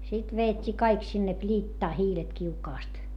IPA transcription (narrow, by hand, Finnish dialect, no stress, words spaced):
sit ʋeːtʲːiː kɑik sinːe pliːtːɑː hiːlet kiukɑːst